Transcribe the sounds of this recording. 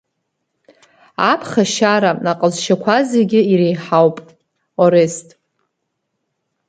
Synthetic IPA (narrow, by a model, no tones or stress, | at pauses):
apʰχaʃaɾanaqʼəzʃakʷʰazeɡʲɪiɾejħawpʼ | oɾestʼ